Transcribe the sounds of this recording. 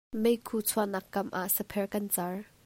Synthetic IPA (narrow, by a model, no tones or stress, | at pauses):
mejkʰuːt͡sʰuanɐkːɐmʔa̰ʔsɐpʰɛrkɐnt͡sɐr